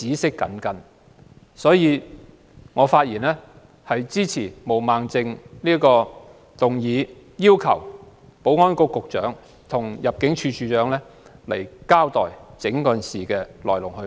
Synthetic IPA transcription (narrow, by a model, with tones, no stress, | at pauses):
t͡siː˨˥sɪ˥kːɐ̰˨˥nkɐ˨n | sɔː˨˥jiː˨˧ | ŋɔː˨˧faː˧t̚jiː˨˩nlɛː˥ | hɐ˨jt͡siː˥t͡sʰiː˨˩mo˨˩wmaː˨ŋt͡sɪ˧ŋliː˥kɔː˧ | t̪ʊ˨ŋjiː˨˧ | jiː˥wkʰɐ̰˨˩w | po˨˥wŋɔː˥nkʊ˥kʊ˨k̚t͡ʃœ̰ː˨˥ŋ | t̪ʰʊ˨˩ŋjɐ˨p̚kɪ˨˥ŋt͡ʃʰyː˧t͡ʃʰyː˨˧t͡ʃœː˨˥ŋlɛː˥le˨˩jkaː˥wt̪ɔ̰ː˨jt͡sɪ˨˥ŋkɵ˨˧nsiː˨kɛː˧lɔ̰ː˨˩jlʊ˨˩ŋhɵ˧